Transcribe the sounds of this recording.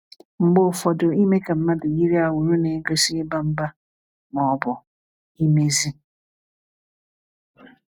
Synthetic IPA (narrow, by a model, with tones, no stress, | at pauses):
ŋ͡m̩˨ɡ͡bʊ˦˨fɔ˨dʊ˨i˦me˦ke˨m̩˦ma˦dʊ˨ji˦ɾi˦a˨wu˨ɾu˦ne˨˦ɡɾe˦si˦ɪ˦ba˦m̩˦ba˦ | nɔ˨bʊ˨ | i˦me˦zi˦